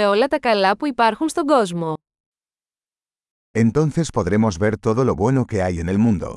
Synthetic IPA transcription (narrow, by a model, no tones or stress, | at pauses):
eolɐt̪ɐkɐlɐpuipɐɾxunst̪o̞ɡo̞zmo | ent̪onθe̞spoðɾe̞mozβe̞ɾt̪oðoloβwenokeajenelmũnd̪o̰